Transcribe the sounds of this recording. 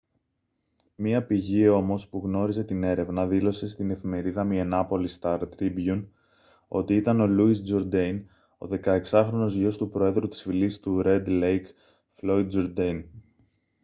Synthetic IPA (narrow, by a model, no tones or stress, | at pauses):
miɐpiʝio̞mo̞spuɣno̞ɾize̞t̪ine̞ɾe̞vnɐðilo̞se̞st̪ine̞fime̞ɾiðɐmienɐpo̞list̪ɐɾt̪ɾibjun | o̞̰t̪iit̪ɐno̞luisd͡ʒo̞ɾd̪ejn | o̰ðe̞kɐe̞ksɐxɾo̞no̞zʝo̞st̪upɾo̞e̞ðɾut̪i̥sfilist̪uɾe̞d̪lejk | flo̞id̪̚d͡ʒoɾd̪en